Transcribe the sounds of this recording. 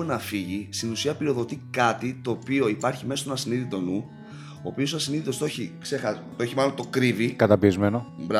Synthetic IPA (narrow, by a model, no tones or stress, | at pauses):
nɐfiʝist̪inusiɐpiɾio̞ðo̞t̪ikɐt̪it̪o̞ːpio̞ipɐɾçimesot̪onɐsiniðit̪o̞nu | o̞̰ːpio̞soɐsiniðit̪o̞st̪oçikse̞xɐ | t̪oeçimɐlont̪o̞kɾivikɐt̪ɐpiezme̞nobɾɐ